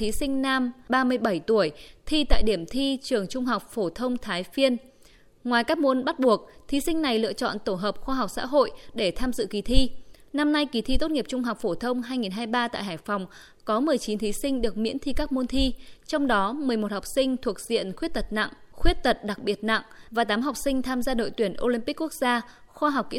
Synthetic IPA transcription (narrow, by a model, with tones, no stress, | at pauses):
t̪ʰi˨˦sï˧ŋ̟naː˧mɓaː˧mɨ˧əjɓə˧˩jt̪u˧˩əjt̪ʰi˧t̪a̰ː˧˨jɗi˧˩əmt̪ʰi˧t͡ɕɨ˨˩əŋt͡ɕʊ˧ŋ͡mɦa˨˩wk͡p̚fo˧˩t̪ʰə˧wŋ͡mt̪ʰaː˨˦jfi˧ən | ŋwaː˨˩jkaː˦˥k̚mo˧nɓa˦˥t̚ɓu˨˩ək̚t̪ʰi˨˦sï˧ŋ̟na˨˩jlɨ̰˧˨ət͡ɕɔ̰˧˨nt̪o˧˩ɦəː˨˩p̚xwaː˧ɦa˨˩wk͡p̚sa̰ː˧˥ɦo̰˧˨jɗe˧˩t̪ʰaː˧mzɨ̰˧˨ki˨˩t̪ʰi˧na˧mna˧jki˨˩t̪ʰi˧t̪o˦˥t̚ŋi˨˩əp̚t͡ɕʊ˧ŋ͡mɦa˨˩wk͡p̚fo˧˩t̪ʰə˧wŋ͡mɦaː˧jŋi˨˩nɦaː˧jɓaː˧t̪a̰ː˧˨jɦaː˧˩jfa˨˩wŋ͡m | kɔ˨˦mɨ˨˩əjt͡ɕi˨˦nt̪ʰi˨˦sï˧ŋ̟ɗɨ˨˩ək̚mḭ˧˥nt̪ʰi˧kaː˦˥k̚mo˧nt̪ʰi˧t͡ɕɔ˧wŋ͡mɗɔ˨˦mɨ˨˩əjmo˨˩t̚ha˨˩wk͡p̚sï˧ŋ̟t̪ʰu˨˩ək̚zḭ˧˨ənxwət̚t̪ə˨˩t̚na̰˧˨ŋxwi˦˥ət̚t̪ə˨˩t̚ɗa˨˩k̚ɓi˨˩ət̚na̰˧˨ŋvaː˨˩t̪aː˨˦mɦa˨˩wk͡p̚sï˧ŋ̟t̪ʰaː˧mzaː˧ɗo̰˧˨jt̪wi˧˩ənʔo˧li˧mpi˦˥kːu˦˥ək̚zaː˧ | xwaː˧ɦa˨˩wk͡p̚kḭ˧˥